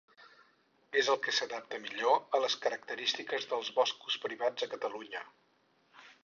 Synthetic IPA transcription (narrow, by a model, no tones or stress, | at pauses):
ezəlˠkəsəðap̚t̪əmiʎoələskəɾək̚t̪əɾist̪ikəzðəlˠzβɔsku̥spɾiβad͡zəkət̪əluɲə